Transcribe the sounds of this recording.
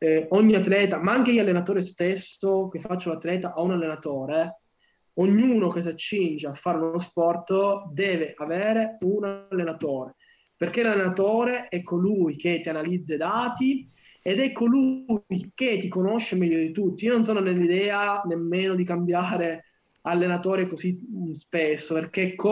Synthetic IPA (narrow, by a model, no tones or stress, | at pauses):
oɲːiat̪ːlɛːt̪amaaŋkeialːenat̪oːɾest̪esok̟efːat͡ʃːolat̪ːlɛːt̪aʔaunalːenat̪oːɾe | oɲːuːnok̟es̬at͡ʃːind͡ʒeafːaːɾeunospɔrt̪d̪ɛːveʔaveːɾeunalːenat̪oːɾe | perk̟elalːenat̪oːɾeʔɛkːolujket̪ːianalid̪zːed̪aːt̪i | ed̪ɛkʰːolujket̪ːikonoʃːemɛʎːod̪it̪ut̪ːiionons̬oːnonelːid̪ɛːanemːeːnod̪ikambjaːɾe | alːenat̪oːɾekoszispesːoperk̟ekːo